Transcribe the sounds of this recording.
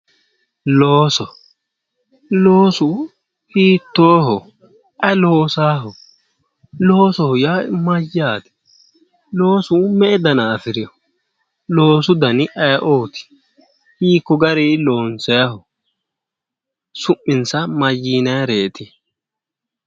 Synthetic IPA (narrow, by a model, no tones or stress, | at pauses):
loːsɔ | lo̞ːsʊ | hiːt̪ːoːɦɔ | ʔɐloːsaːɦɔ | loːsɔhʊjaːmɐjːaːd̪ɛ̥ | loːsʊmɛʔɛd̪ɐnaːfɪɾɪjɔ | lo̞ːsʊd̪ɐnɪʔɐjʔoːt̪ɪ̥ | hiːkːɔɡɐɾilo̞ːnsɛjɐhɔ | sʊmːɪnsɐmɐjːiːnɐjɐɾeːt̪ɪ